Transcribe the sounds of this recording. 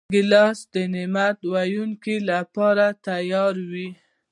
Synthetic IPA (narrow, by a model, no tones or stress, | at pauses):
ɡɪlɑsd̪ənɪmat̪wajuŋkilapɑɾat̪ajɑɾwi